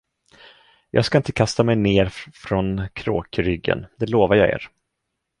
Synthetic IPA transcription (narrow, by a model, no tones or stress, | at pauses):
jʔɑ̰ːɡskaɪnt̪ə̥kʰast̪amɛjneːɾfɾɔnkʰɾo̰ːkɾʏɡːə̰nd̪ɛloːvaɾjɑːḛːɾ